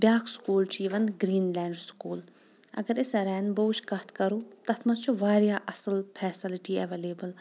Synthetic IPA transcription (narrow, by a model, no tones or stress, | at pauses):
bjaːkskuːlt͡ʃiːʋɐnɡɾiːnlɛːɳɖskuːl | ɐ̰ɡɐɾɪsɐɾɛːnboːʃkɐt̪ʰkɐɾuːt̪ɐt̪ʰmɐst͡ʃʰuʋaːɾjaːʔɐsəlpʰɛːsɪlɪʈiɛʋeːleːbəl